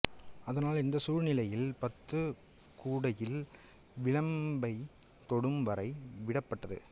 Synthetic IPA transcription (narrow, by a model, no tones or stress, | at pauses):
ɐðɐnaːlɪnd̪ɐsuːɻnɪlɐjɪlpɐt̪ːɯ | kuːɽɐjɪl | ʋɪɻɐmbɐɪ | t̪ɔɽɯmʋɐɾɐɪʋɪɽɐpːɐʈːɐðɯ̰